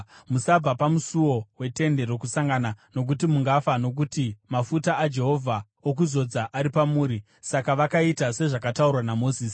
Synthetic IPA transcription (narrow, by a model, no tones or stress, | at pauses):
musab͡vapamusuwo̞we̞te̞nde̞ɾo̞kusaŋɡanano̞k̬utimuŋɡafano̞k̬utimafutaʔːd͡ʒe̞ɦo̞vʱa | ok̬uzo̞d͡zaʔaɾipamuːɾi | sakaʋakaitase̞ʐakataurwanamo̞ziːsi̥